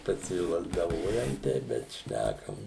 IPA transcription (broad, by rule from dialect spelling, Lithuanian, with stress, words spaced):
pɐsʲɪlˠɐzdɐˈʋoːjɛm ˈtʲɛɪp bʲɛt ˈʃʲnʲækɐm